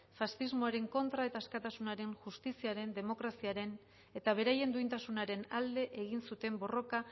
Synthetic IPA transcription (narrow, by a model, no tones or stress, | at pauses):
fasθizmoaɾe̞ŋko̞nt̪ɾae̞t̪askat̪asunaɾe̞ŋʝust̪isiaɾe̞nd̪e̞mo̞kɾasiaɾe̞n | e̞t̪aβ̞e̞ɾaje̞nd̪uint̪asunaɾe̞nald̪e̞ʔeɣ̞insut̪e̞mbo̞ro̞ka